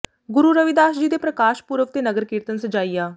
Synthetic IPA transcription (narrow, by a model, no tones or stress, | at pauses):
ɡʊɾuːɾəʋid̪aːʃd͡ʒiːd̪eːpɾəkaːʃpʊɾəʋt̪eːnəɡəɾkɪɾt̪ənsəd͡ʒaːiːaː